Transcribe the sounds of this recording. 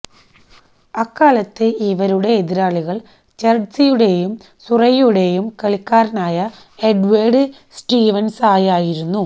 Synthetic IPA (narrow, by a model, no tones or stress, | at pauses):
ɐkːaːlɐt̪ːeiʋɐɾuɽe̞ːðiɾaːɭiɣɐɭ | t͡ɕɐrɖsijuɽe̞jum | surɐjuɽe̞jumkɐɭikːaːɾnaːjɐ | eɖʋeːɖɨ | sʈiːʋɐnsaːjaːjiɾunːu